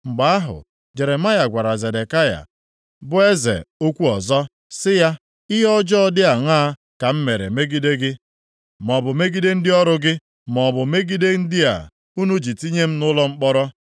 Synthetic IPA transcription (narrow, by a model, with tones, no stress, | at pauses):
ŋ͡m̩˨ɡ͡ba˨a˦ɦʊ̰˨ | d͡ʒe˨ɾe˨ma˦ja˨ɡʷa˨ɾa˨ze˨de˨ka˦ja̰˨ | bʊ˦e˦zḛ˨o˦kʷu˦ɔ˨zɔ˦ | sɪ˦ja˦ | ɪ˦ɦɔ˦d͡ʒɔ˦ɔ˦dɪ˦a˨ŋaː˦ | ka˨m̩˦me˨ɾḛ˨me˦ɡi˦de˦ɡɪ˦ | mɔ˨bʊ˨me˦ɡi˦de˦n̩˦dɪ˦ɔ˦ɾʊ˦ɡɪ˦ | mɔ˨bʊ˨me˦ɡi˦de˦n̩˦dɪ˦a̰˨ | u˦nu˦d͡ʒi˨ti˦ɲe˦m̩˦nʊ˦lɔ˦ŋ͡m̩˦k͡pɔ˦ɾɔ˦